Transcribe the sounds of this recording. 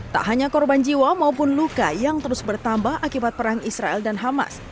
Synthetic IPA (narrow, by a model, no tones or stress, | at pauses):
t̪a̰ʔɦaɲakɔrband͡ʒiwamaupʊnlukajaŋt̪əɾʊsbərt̪ambahʔakibat̪̚pəɾaŋisɾaɛldanɦama̰s